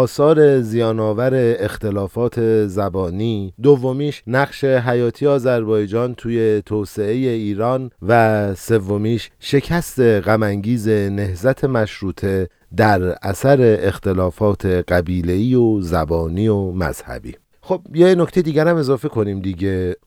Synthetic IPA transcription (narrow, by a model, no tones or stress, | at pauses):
ɒːsɒːɾe̞zijɒːnɒːvæɾe̞ːxt̪e̞lɒːfɒːt̪ʰe̞zæbɒːniːd̪ovːo̞miːʃnæɣʃe̞ɦæjɒːt̪ʰiːeɒːzæɾbɒːjed͡ʒɒːnt̪ʰuːje̞t̪ʰoːse̞eje̞iːɾɒːnvæse̞vːo̞miːʃʃe̞cʰæst̪e̞ɣæmæŋɟiːze̞ne̞hzæt̪ʰe̞mæʃɾuːt̪ʰe̞ | d̪æɾʔæ̰sæɾe̞ʔext̪e̞lɒːfɒːt̪ʰe̞ɢæbiːle̞iːozæbɒːniːomæ̰z̥hæ̰bḭː | xob̥jenocʰt̪ejed̪iːɟæɾæme̞zɒːfe̞kʰo̞niːmd̪iɟe̞